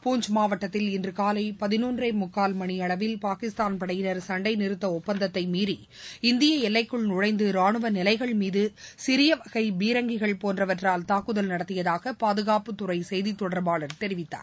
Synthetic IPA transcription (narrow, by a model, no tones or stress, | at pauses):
puːɲd͡ʒmaːʋɐʈːɐt̪ːɪlɪndrɯkaːlɐɪpɐðɪnuːndreːmʊkːaːlmɐɳiɐɭɐʋɪlpaːkɪst̪aːnpɐɽɐjɪnɐɾsɐɳɖɐɪnɪɾɯt̪ːɐɔpːɐnd̪ɐt̪ːɐɪmiːɾi | ɪnd̪ɪjɐɛlːɐɪkːɯɭnʊɻɐɪnd̪ɯɾaːɳɯʋɐnɪlɐɪɣɐɭmiːðɯsɪɾɪjɐʋɐɣɐɪbiːɾɐŋɡɪɣɐɭpoːndrɐʋɐʈraːlt̪aːkːɯðɐlnɐɽɐt̪ːɪjɐðaːɣɐpaːðɯɣaːpɯt̪ːʊɾɐɪsɛjðit̪ːɔɽɐɾbaːɭɐɾt̪ɛɾɪʋɪt̪ːa̰ːɾ